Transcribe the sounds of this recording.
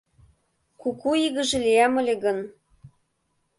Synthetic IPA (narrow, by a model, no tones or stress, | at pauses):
kukuiɣə̆ʒĕlʲiæmə̆lʲeɣɤ̆n